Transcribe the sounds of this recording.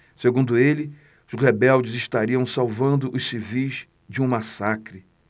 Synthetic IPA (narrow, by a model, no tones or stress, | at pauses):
seɡũnd̪ʊelɪ | ʊzʁebɛwd͡ʒɪzɪʃt̪aɾiɐ̃w̃sawvɐ̃nd̪ʊʔʊssivijz | d͡ʒɪũmasakɾɪ